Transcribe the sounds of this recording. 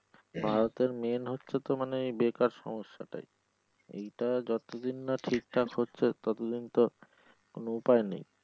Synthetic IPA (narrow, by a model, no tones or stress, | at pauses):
bʱaɾot̪eɾmenɦotːɕʰet̪omaneejbekaɾʃɔ̰moʃːa̰ʈa̰j | ḛjʈad͡ʑɔt̪od̪inːaʈʰik̚ʈʰakɦotːɕʰet̪ɔt̪od̪int̪o | konoupaenḛj